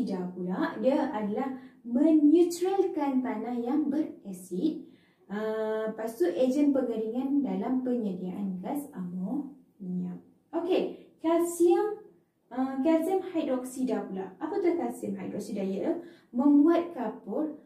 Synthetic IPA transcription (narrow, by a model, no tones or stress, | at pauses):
dapulaʔdiaadalahmə̃njut̪ɾəlkant̪anahjaŋbərɛsit̪̚ | əpast̪uʔed͡ʒənpəŋəɾiŋandalampəɲədiaʔanɡasamɔ | iɲam | okekasiəm | əkasiəmhajdɔk̚sidapula̰ʔapat̪uhkasiəmɦajdɔk̚sidajə | mə̃mbuat̪̚kapʊr